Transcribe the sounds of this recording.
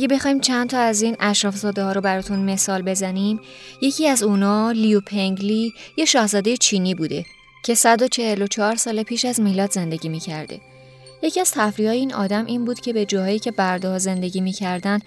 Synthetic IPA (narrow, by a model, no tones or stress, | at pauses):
ʔæɟe̞be̞xɒːiːmt͡ʃʰænd̪t̪ʰɒːæziːnʔæʃɾɒːfzɒːd̪ehɒːɾo̞bæɾɒːt̪ʰunme̞sɒːlbe̞zænimje̞cʰiːæzuːnɒːliupʰeŋɟlijeʃɒːhzɒːd̪e̞jet͡ʃʰiːniːbuːd̪e̞ | cʰe̞sæd̪o̞t͡ʃʰe̞helo̞t͡ʃʰɒːɾsɒːle̞pʰiːʃæzmiːlɒːd̪ze̞nd̪e̞ɟiːmiːcʰæɾd̪e̞̰ | je̞cʰiæz̥t̪ʰæfɾiɒːjeiːnʔɒ̰ːd̪æmʔiːnbuːd̪̥cʰe̞be̞d͡ʒɒːɦɒːjiːcʰe̞bæɾd̪eɦɒːze̞nd̪e̞ɟiːmiːcʰæɾd̪æn